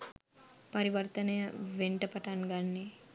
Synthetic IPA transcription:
pɐɾiʋɐrt̪ənəjəʋeɳʈəpaʈaŋɡanːe

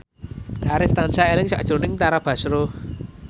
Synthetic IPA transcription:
aɾɪft̪ansaelɪŋsa̰ʔd̥ʒ̥o̤nɪŋt̪aɾab̥a̤sɾo

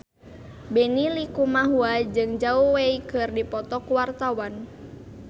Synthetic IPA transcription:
bɛnilikumaɦuad͡ʒɨŋd͡ʒauweikɨrdipɔt̪ɔkuwart̪awan

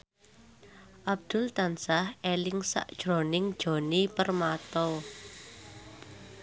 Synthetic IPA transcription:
ʔab̚d̪̥ʊ̤lt̪ansahʔelɪŋsa̰ʔd̥ʒ̥ɾonɪŋd̥ʒ̥o̤nipərmat̪ɔ

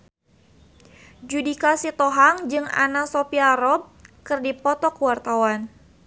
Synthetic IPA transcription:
d͡ʒudikasit̪ɔɦaŋd͡ʒɨŋa̰nasopiaɾɔb̚kɨrdipɔt̪ɔkuwart̪awan

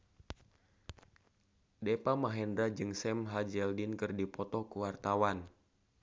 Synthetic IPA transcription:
depamaɦɛndɾad͡ʒɨŋsɛmɦad͡ʒɛldɪnkɨrdipɔt̪ɔkuwart̪awan

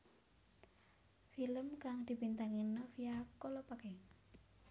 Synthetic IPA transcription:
filəmkaŋd̪̥i̤bint̪aŋinɔfiakolopakɛŋ

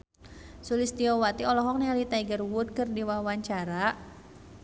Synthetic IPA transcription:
sulist̪iɔwat̪iɔlɔɦɔk̚nɛalit̪aiɡərwʊt̪̚kɨrdiwawaɲt͡ʃaɾa

